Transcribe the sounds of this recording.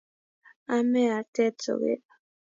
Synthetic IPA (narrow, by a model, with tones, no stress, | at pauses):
a˦mɛ˦a˨tɛ˦to̰˨ɣḛ˦˨